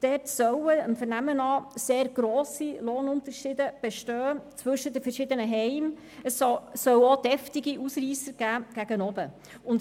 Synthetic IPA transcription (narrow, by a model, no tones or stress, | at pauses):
d̥ɛːtsœwəəmfəɾnæmənɑːseːɾɡ̥ɾɔːsiloːnʊntəɾʃiːdəb̥ɛʃtøːt͡svɵʃədəfəɾʃɪd̪ənəɦɛɪm | əssːœwod̥ɛftiɡiʔusriːsəɾɡ̥æːɡ̥æɡ̥ənɔbə | ʊn